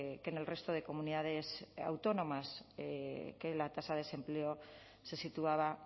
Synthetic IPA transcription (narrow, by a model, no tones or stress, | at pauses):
ke̞ne̞lre̞st̪o̞ð̞e̞ko̞muniðað̞e̞sa̰wt̪o̞nõ̞mas | ke̞lat̪asaðese̞mpleo | se̞sit̪uaβ̞a